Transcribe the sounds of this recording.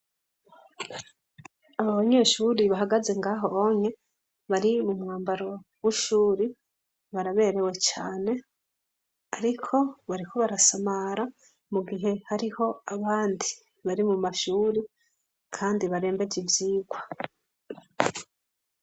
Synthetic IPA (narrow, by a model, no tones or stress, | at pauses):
aβaβaɲe̞ːʃuːɾiβaɦaɡaze̞ŋɡaːɦo̞oɲe | βaɾimumŋaːmbaɾo̞wiʃuːɾi | βaɾaβe̞ːɾe̞we̞t͡ʃaːne̞ | aɾikʰo̞βaɾiko̞βaɾasamaɾa | muɡiɦe̞haɾiho̞aβaːndi | βaɾimumaʃuːɾi | kʰaːndiβaɾe̞ːmbe̞ɟivjiːɡwa